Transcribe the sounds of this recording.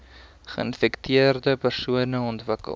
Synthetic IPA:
χəənfɛktʰiərdəpərsuənəɔntvəkə̰l

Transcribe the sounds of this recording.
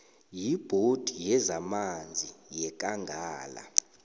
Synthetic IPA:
jib̥ʱod̥ʱijɛzamand͡zʱijɛk̬ʼaŋɡʱaːla̰

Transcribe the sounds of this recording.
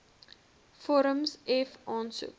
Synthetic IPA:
fɔɾəmsɛfɑːnsṵp

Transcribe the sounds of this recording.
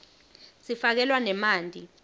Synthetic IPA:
sifak̬ɛlwanɛmaːndʼʱḭ

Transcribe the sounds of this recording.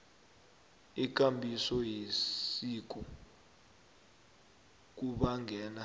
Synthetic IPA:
ik̬ʼambʱisɔjisik̬u | k̬uɓaŋʱɛːna

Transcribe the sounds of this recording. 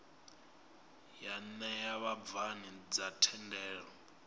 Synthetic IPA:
janɛjaβab̪vanid͡zatʰɛndʱɛːɺɔ

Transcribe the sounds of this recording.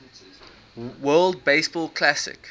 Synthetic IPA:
wɜːlˠd̚beɪsbɔlkʰlasɪ̰k

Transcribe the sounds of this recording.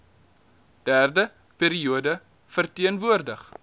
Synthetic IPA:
d̥æːrdə | peːɾiuədə | fərtiənvuərdəχ

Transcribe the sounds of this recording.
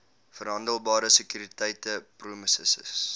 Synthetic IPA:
fərɦɐndəlˠbɑːɾəsəkyːɾitɛjtəpruəməsə̰sə̰s

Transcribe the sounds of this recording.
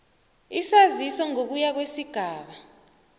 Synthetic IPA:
isazisɔŋok̬ujak̬wesiɡ̥ʱaːɓa

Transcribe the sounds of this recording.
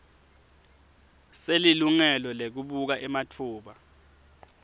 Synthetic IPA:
seliluŋɛlɔlek̬uɓuk̬aʔɛmatʰuːɓa

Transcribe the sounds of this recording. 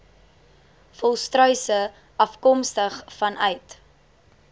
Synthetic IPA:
fɔlˠstrœɥsə | ɐfkɔmstəχfɐnʔœɥt

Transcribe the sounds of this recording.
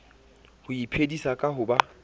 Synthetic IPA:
hʊipʰedisakʼaɦʊba

